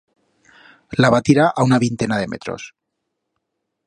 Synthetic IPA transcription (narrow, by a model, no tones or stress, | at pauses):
laβat̪iɾaʔaunaβint̪enaðe̞mḛt̪ʰɾo̰s